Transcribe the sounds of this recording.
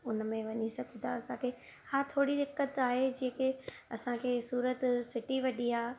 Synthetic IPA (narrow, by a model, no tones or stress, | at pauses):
ʊnmẽʋɐɲisɐɡʱũt̪ʰaɐsãkʰeː | hãːt̪ʰoːɽid̪ɪkːət̪aːɦed͡ʑiːə̃kɪ | ɐsãkʰesuːɾət̪sɪʈiʋɐɗiaː